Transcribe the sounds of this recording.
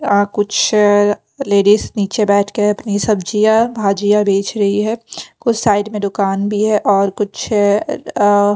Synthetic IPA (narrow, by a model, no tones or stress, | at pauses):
kʊt͡ʃʰ | leːɖisniːt͡ʃebɛːʈʰkeɐpnisɐbd͡ʒijabʱaːd͡ʒijabeːt͡ʃɾɐɦiɦɛːkʊt͡ʃʰsaːɪɖmẽd̪ʊkaːnbʱiɦɛʔɔːɾkʊt͡ʃʰ